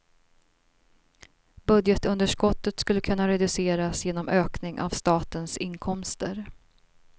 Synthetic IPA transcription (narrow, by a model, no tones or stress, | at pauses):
bɵd̪jət̪ɵnd̪əʂkɔt̪ːət̪skɵlːəkʰɵnːaɾɛd̪ɵseːɾasjeːnɔmøːknɪŋʔa̰vst̪ɑːt̪ənsɪnːkʰɔmst̪əɾ